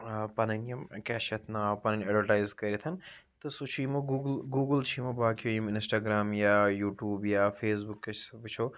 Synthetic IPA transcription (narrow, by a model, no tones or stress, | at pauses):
pɐnɐnijɐmkɛːʃɐt̪ʰnaːpɐnɐnʲɛɖʋəʈaːjzkɐɾiet̪ʰɐn | t̪ɨsut͡ʃʰimɐɡuɡlɡuːɡəlt͡ʃʰiːmɐbaːkijojimɪnsʈaːɡɾaːmjaːjuːʈjuːbjaːfʰeːsbukːɐʋit͡ʃʰoː